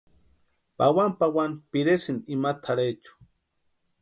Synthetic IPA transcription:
pawampawanpɪɾesɪnimat̪ʰaɾejt͡ʃʊ̥

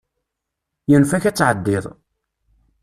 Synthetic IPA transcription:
jənfæçæt͡sːʕəd̪ːɪðˤ

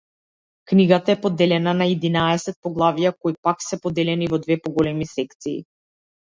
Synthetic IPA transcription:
kniɡat̪aɛpɔd̪ːɛlɛnanaɛd̪inaɛsɛt̪̚pɔɡlˠavijakɔipaksɛpɔd̪ɛlɛnivɔd̪vɛpɔɡɔlɛmisɛkt̪sḭː

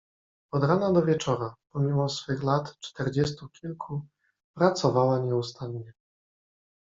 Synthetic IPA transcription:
ɔd̪ɾanad̪ɔvʲjɛt͡ʂɔɾapɔmʲimɔsfɘxlat̪t͡ʂt̪ɛɾd͡ʑɛst̪ukʲilkʰu | pɾat̪sɔvawaɲɛust̪anɲɛ

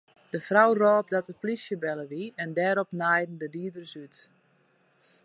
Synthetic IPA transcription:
d̥əfrawrɔːp̚dɔtəplisjəbɛlˠəʋiɛndɛːɾɔpnajdn̩dədiədərsyt

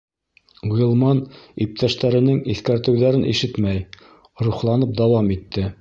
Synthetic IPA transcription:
iɤ̆lˠmɑnip̚t̪æʃt̪æɾɘ̆nɘŋiθkæɾt̪ɘ̆wðæɾɘnḭʃɘt̪mæj | ɾuχlˠɑnɤp̚d̪ɑwɑmit̪ːɘ

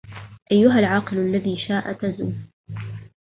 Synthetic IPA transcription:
ʔajːʊɦalʕɑːqɨlʔalːaðiːʃaːʔat̪azuː

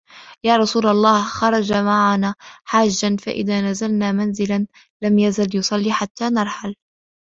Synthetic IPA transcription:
jaːɾˤɑsuːlɑlˤːaːhxɑɾˤɑd͡ʒamaʕanaːħaːd͡ʒːanfa̰ʔɪ̰ðaːnazalnaːmanzɪlan | lamjazaljʊsˤɑlːiːħat̪ːaːnɑɾˤħal

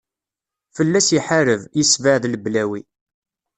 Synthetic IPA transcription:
fəlːæsiħaɾəvjəsvəʕðləblæwi

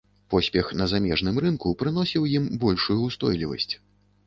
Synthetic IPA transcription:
pɔsʲpʲɛxnɐzamʲɛʐnɨmrɨnkupɾɨn̪ɔsʲiwjimbɔlʲʂujust̪ɔjlʲivɐ̰sʲt͡sʲ

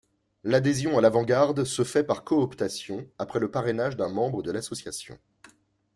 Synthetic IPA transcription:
lad̪ezjɔ̃alavɑ̃ɡaʁd̪səfɛpaʁkɔːpt̪asjɔ̃apχɛləpaʁenaʒd̪ɛ̃mɑ̃bʁəd̪əlasɔsjasjɔ̰̃

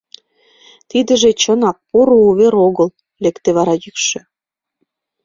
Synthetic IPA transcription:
t̪id̪ə̆ʒet͡ɕə̆nɑk̚poɾouβeɾoɣəl | lekt̪eβɑɾɑjykʃĕ

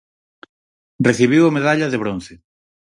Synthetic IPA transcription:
reθiβ̞iwameðaʎɐðeβ̞ɾon̟θe

